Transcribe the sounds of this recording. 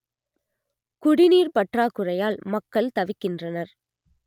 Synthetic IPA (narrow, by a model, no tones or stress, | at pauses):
kʊɽɪniːɾpɐʈraːkʊrɐjaːlmɐkːɐɭt̪ɐʋɪkːɪndrɐnɐɾ